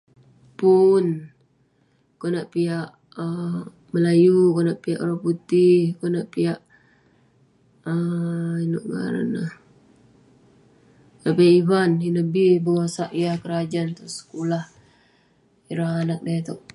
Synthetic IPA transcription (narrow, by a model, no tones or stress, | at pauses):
pun | konaʔpiaʔ | ə | məlajukonaʔpiaʔɾɔput̪ɪhkonaʔpijaʔ | əino̰ʔŋa̰ɾa̰nah | knaʔpiaʔivaninəbihbəasaʔjakəɾad͡ʒant̪ɔʔsə̥kulah | iɾahanak̚dɛt̪oʔ